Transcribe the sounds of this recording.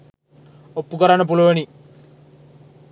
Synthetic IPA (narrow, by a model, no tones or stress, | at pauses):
opːukɐɾanɐp̬ulɐʋɐni